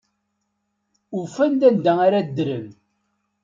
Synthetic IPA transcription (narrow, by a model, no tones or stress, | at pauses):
ufænd̪ænd̪æaɾad̪ɾəm